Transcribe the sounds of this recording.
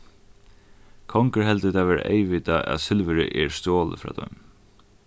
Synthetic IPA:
kʰɔŋkəɹɦɛlt̪ət̪ʰaʋɛːɾ̰ʔḛɪʋɪt̪aʔa̰ðsɪlvəɾə̰ʔɛɹst̪oːlə̰fɾa̰ːd̪ɔʏm

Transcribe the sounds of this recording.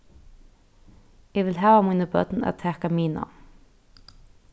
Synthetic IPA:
eʋɪlɦæːʋɑmunəbœ̰t̪n̩ɛ̰t̪ʰæːkɑmiːnɑ̰

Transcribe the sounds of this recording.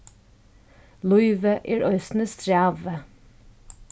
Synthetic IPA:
lʊʏʋəʔæːɹʔœʏst̪n̩əst̪ʰɹæːʋə

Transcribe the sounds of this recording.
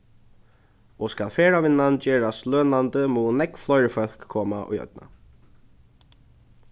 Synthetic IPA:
ɔskalfeːɹaʋɪnːand͡ʒeːɹasløːnant̪əmuːnɛkflɔjɹəfœl̥kʰːɔːma̰ʔṵjœ̰t̪̚na̰

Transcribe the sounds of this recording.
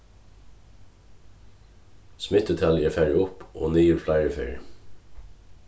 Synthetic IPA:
smɪt̪̚d̪ət̪ʰɑljæːfæɹɪʊpo̰ːniːʉɾflæɪɹəfeɹɪ

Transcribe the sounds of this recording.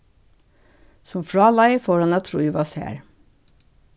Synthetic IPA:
sɔmfɹɑːlɑɪfoːɾɑnɑt̪ʰɾṵːiʋɑːsæ̰ːɾ

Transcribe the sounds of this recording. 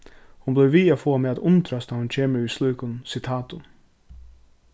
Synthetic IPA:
hʊnbleːʋiːafoːmeːat̪ʊnt̪ʰɾɑst̪ɑhʊnt͡ʃʰeːməʉːslʉːkʊnsɪt̪ʰɑːt̪ʊ

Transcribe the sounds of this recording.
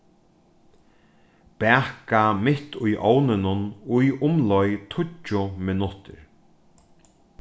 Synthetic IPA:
pɛːkamɪht̪ʊjʔownɪnʊnʊjʊmlɔjt̪ʰʊt͡ʃːʊmɪnʊt̪ɪ̰ɹ

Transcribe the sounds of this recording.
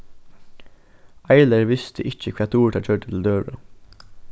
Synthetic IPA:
æɪləɾʋɪst̪ʰəʔɪc͡çəkʰʋiːt̪ʰuːʈ̪ɑːt͡ʃʰøːʈət̪ʰl̩d̪øːʋɹɑ̰

